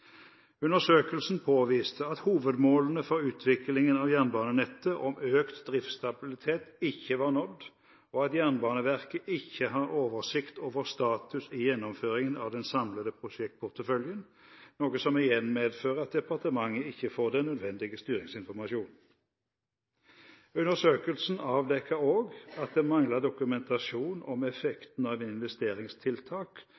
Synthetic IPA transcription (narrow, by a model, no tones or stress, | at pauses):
ʉnəʁsøːkəlsn̩pʰoːʋiːst̪ʰəɑt̪huːʋəd̪moːlən̩əfɔʁʉːt̪ʰʋɪklɪŋənɑʋjæʁnbɑːnənɛt̪ːəʔɔmøːkt̪d̪ʁɪft̪st̪ɑbɪlɪt̪ʰeːt̪ɪçːəʋɑːʁnɔd̪ː | ɔɑt̪jæʁnbɑːnəʋæʁkəʔɪçːəhɑʁoːʋəʁsɪkt̪ʰoːʋəʁst̪ɑːt̪ʰʉsɪjɛnːɔmføːʁɪŋənɑ̰ʋd̪ɛnsɑmləd̪əpʰʁʊʂɛk̚t̪̚pʰʊʁt̪əfœljən | noːɡəsɔmɪjɛnmeːd̪føːʁəɑt̪̚d̪ɛpɑʁt̪əmɑŋːəɪçːəfoːʁd̪ɛnːœd̪ʋɛnd̪ɪɡəst̪yːʁɪŋsɪnfɔʁmɑʃuːn̩ | ʉnəsøːkəlsn̩ɑːʋd̪ɛkʰːəoːɡɑt̪̚d̪eːmɑŋləd̪ʊkʉmɛnt̪ʰɑʃuːnɔmɛfɛkt̪n̩ɑːʋɪnʋɛst̪eːʁɪŋst̪ʰɪlt̪ʰɑːk